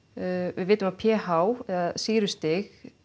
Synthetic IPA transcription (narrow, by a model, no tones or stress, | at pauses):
vɪðvɪːt̪ʏmapʰjɛːhawɛɣasiːɾʏst̪ɪx